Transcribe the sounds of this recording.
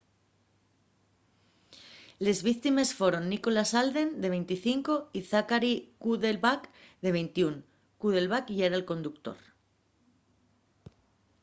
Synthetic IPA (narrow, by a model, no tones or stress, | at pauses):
le̞zβikt̪ime̞sfoɾo̞nːiko̞lasald̪e̞nd̪e̞βe̞jnt̪iθiŋko̞iθakaɾikuðelβakðe̞βe̞jnt̪iuŋ | kuðe̞lβakʝeɾalko̞nd̪ukt̪o̞̰ɾ